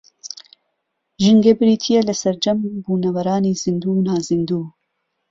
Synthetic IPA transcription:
ʒiŋɡebɨɾiːt̪ʰijelɐsɐɾd͡ʒɐmbuːnɐwɐɾaːniːz̥ind̪uːnaːzind̪uː

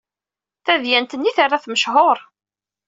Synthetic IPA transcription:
θæðjænt̪ənːiθarːaθməʃhoɾˤ

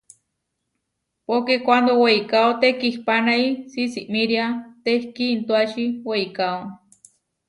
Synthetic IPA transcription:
pokekʷand̪oweikaot̪ekihpanaisisiʔmiɾiat̪ehkiːnt̪uaʃiweikao

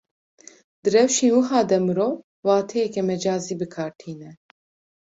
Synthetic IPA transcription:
d̪̥ɨɾɛwʃiːnwɨɦaːd̪ɛmɨɾoːw | waːt̪ʰɛjɛkɛmɛd͡ʒaːziːbɨkʰaːɾt̪ʰiːnɛ

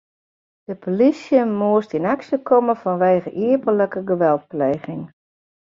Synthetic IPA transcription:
d̥əpʰolisjəmuəstinaksəkʰɔməfɔnʋeːɣəʔiəpələkəɡəʋɛlˠt̚pleːɣɪŋ

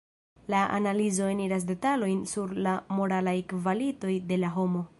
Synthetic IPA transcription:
laʔa̰nalizo̞e̞niɾas̬de̞talo̞jnsuɾlamo̞ɾalajkvalito̞jde̞laɦo̞mo̞

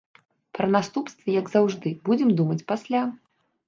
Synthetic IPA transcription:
pɾɐnast̪upst̪vʲɐjɐɡzawʐd̪ɨbud͡zʲɛmd̪umɐt͡sʲpasʲlʲa

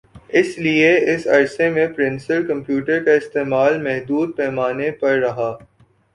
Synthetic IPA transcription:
ɪslieɪsɐ̰ɾsemẽpɾɪ̃nsəlkɐ̃mpjuːʈəɾkaɪst̪eːmaːlmɛɦd̪uːd̪̚pɛːmaːnepɐɾːɐɦaː

